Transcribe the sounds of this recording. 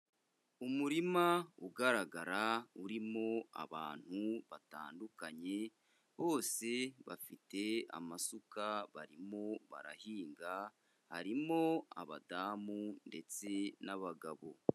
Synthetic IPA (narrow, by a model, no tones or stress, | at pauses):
umuɾimauɡaɾaɡaɾauɾimo̞a̰βa̰ːn̥huβata̰ːndukaɲe̞ | βo̞ːse̞βafite̞a̰masukaβaɾimo̞βa̰ɾa̰hiːŋɡa | haɾimo̞a̰βa̰daːmunde̞t͡se̞naβaɡaβo̞̰